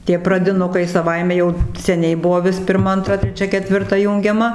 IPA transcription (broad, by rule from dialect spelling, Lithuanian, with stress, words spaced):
tʲiɛ prɐdʲɪˈnʊkɐɪ sɐˈʋɐɪmʲɛ jɛʊ sʲɛˈnʲɛɪ ˈbʊʋoː ˈʋʲɪs pʲɪrˈmɐ ɐnˈtrɐ tʲrʲɛˈt͡ʃʲɛ kʲɛtʲʋʲɪrˈtɐ ˈjuːŋʲɡʲɛmɐ